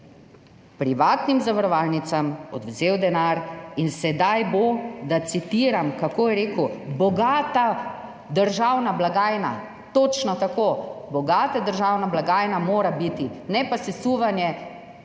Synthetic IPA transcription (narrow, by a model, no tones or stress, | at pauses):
pɾiʋaːt̪nimzaʋəɾɔʋaːlnit̪samɔ̰d̪wzeːwd̪ɛnaɾinsɛd̪ajbod̪at̪sit̪iːɾamkakoːjɛɾeːkubɔɡaːt̪a | d̪əɾʒawnablaɡaːjna̰ | t̪oːt͡ʃnɔt̪akoːbɔɡaːt̪ad̪əɾʒawnablaɡaːjnamoːɾabit̪inɛpasɛsuʋanjɛ